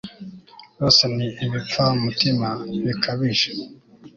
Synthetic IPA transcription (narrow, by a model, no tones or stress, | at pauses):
josaniːβifaumutimaβikʰaβiʃe